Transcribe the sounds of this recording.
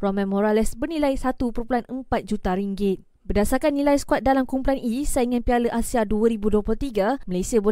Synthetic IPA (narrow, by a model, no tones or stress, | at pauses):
pɾɔmɛ̃mɔɾalɛsbərnilajsat̪upəɾpulanəmpat̪̚d͡ʒut̪aɾiŋɡɪt̪̚ | bərdasarkanːilajsə̥kuat̪̚dalamkumpulanʔisajiŋãnpialəʔasiaduəɾibuduopɔlt̪iɡaməlajsiabo